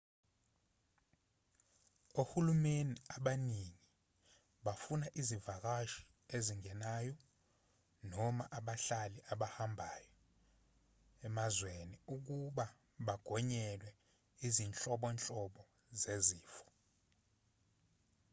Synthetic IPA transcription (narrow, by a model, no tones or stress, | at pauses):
ohulumeniaɓaniŋi | ɓafunaʔizivak̬aʃi̥ | eziŋɛnaːjɔ | nɔma̰ʔaɓaɬaliʔaɓahambʱajɔ | ɛmazweniuk̬uɓa | ɓaɡ̥ʱɔɲɛlwɛ | izint͡ɬʼɔɓɔnt͡ɬʼɔɓɔ | zeziːfɔ̥